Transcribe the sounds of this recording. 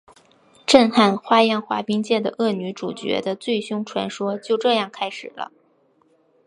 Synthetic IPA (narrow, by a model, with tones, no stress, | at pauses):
ʈ͡ʂə˥˧nxa˥˩nxwa˥jɛ˥˩nxwa̰˧˥pi˥ŋt͡ɕjɛ˥˩d̪ə˩ʔɤ˥˩ny˧˥ʈ͡ʂu˨˩t͡ɕɥɛ̰˧˥d̪ə˧t͡swe˥˩ɪɕjʊ˥ŋʈ͡ʂʰwa̰˧˥nʂwɔ˥t͡ɕjo˥˧ʊʈ͡ʂɤ˥˧jɑ˥˩ŋkʰa˥ɪʂɻ̩˨˩lʔə̰˦